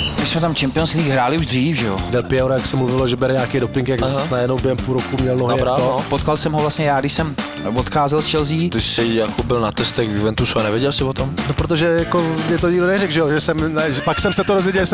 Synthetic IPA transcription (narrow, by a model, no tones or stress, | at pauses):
mɪsmɛt̪amt͡ʃɛmpɪonsliːɡɦɾaːlɪuʒd̪r̝iːfʒɛjo̰dɛlpɪɛwɾjaksɛmluvɪloʒɛbɛɾɛɲaːkejdopɪŋkjaɡnaasnajɛdnowbɪɦɛmpulɾokumɲɛlnoɦapɾapot̪kalsɛmɦovlastɲɛjaːɡdɪʃsɛm | vot̪xaːzɛlst͡ʃɛlziːt̪ɪʃsɪijakobɪlnat̪ɛst̪ɛxvjuvɛnt̪usuanɛvjɛɟɛlsɪvot̪omnopɾot̪̬oʒɛjakoɲɛt̪̬oɲɪɡdonɛɾɛɡʒɛjoʒɛsɛmnʒɛpaksɛmsɛt̪oɾozvjɛɟɛlʒɛs